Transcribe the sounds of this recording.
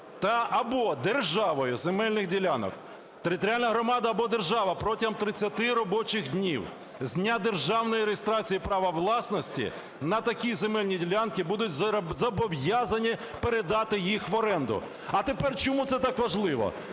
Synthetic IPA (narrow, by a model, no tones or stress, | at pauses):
t̪ɐɐbɔd̪erʒɑʋɔjʊzemɛlʲnɪxdʲilʲanɔ̰k | t̪eɾɪt̪ɔɾʲalʲnɐɦɾɔmɑd̪ɐːbɔd̪e̞rʒɑʋɐpɾɔtʲimt̪ɾɪt͡sʲːɐt̪ɪɾɔbɔt͡ʃɪxdʲnʲiw | zʲnʲad̪e̞rʒɑwnɔjiɾejest̪ɾɑt͡sʲijipɾɑʋɐʋlˠɑsnɔsʲtʲḭ | nɐt̪ɐkʲizemɛlʲnʲidʲilʲankɪbud̪ʊtʲzɐbɔwjazɐnʲi | peɾed̪ɑt̪ɪjixʋɔɾɛnd̪ʊ̰ | ɐt̪epɛrt͡ʃɔmut̪sɛt̪ɑkʋɐʒlˠɪʋɔ̰